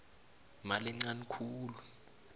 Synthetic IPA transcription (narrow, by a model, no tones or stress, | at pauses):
malɛŋ͡ǀanikʰuːlu